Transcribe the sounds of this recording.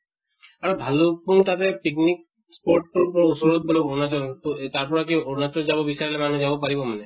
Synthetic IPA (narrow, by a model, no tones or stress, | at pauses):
aɾobʱalupunt̪at̪epiknik̚ | spoɾʈ̚ʈoɾupɔɾosuɾot̪̚boleonat͡ʃɔɾt̪ot̪aɾpɔɾakionat͡ʃɔɾd͡ʒabobisaɾilemanud͡ʒabopaɾibomane